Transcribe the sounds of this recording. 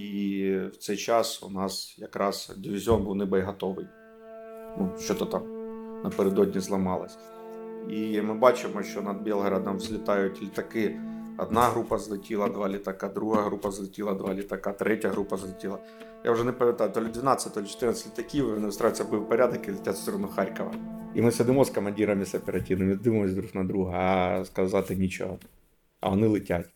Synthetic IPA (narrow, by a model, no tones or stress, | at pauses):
iwt̪sɛjt͡ʃɑsʊ̰nɑsjɐkɾʔɑsdʲiʋʲɪzʲɔnbuwnɪbɛjɦɐt̪ɔʋɪj | nuʃt͡ʃɔt̪ɔt̪ɑmnɐpeɾed̪ɔdʲnʲizlˠɐmɑlˠɐ̰sʲ | imɪbɑt͡ʃɪmɔʃt͡ʃɔnɐd̪̚bʲelˠɦɐɾɐd̪ɐmzʲlʲɪt̪ɑjʊtʲlʲit̪ɐkɪɐ̰d̪naɦɾupɐzlˠɪtʲilˠɐd̪ʋalʲɪt̪ɐkad̪ɾuɦajɦɾupɐzlˠɪtʲilˠɐd̪ʋalʲɪt̪ɐkat̪ɾʔɛtʲjɐɦɾupɐzlˠɪtʲilˠɐ | jʔa̰ʊʐɛnɪpɐmʲɪt̪at̪olʲɪd̪ʲʋʲɪnɑt̪səɐtʲt̪olʲt͡ʃɪ̥t̪ɪrnəsʲɪtʲɪt̪ɐkʲiɔnɪʊst̪ɾaʋɪsʲɐbɨwpɐɾʲad̪ɐkɪlˠɪtʲat̪sʲt̪ʲɔɾɔnʊxaɾʲkɐʋɐ̰imɪsɪd̪ɪmɔskɐmɐnʲdʲiɾɐmʲɪsɐpʲɛɾɐtʲinɐmʲɪd̪ɪmɐmɔsʲd̪ɾuknɐd̪ɾuɦɐɐskɐzɑt̪ɪnʲit͡ʃɪ̰ɦɐ | ɐ̰ɐnɪlˠɪtʲatʲ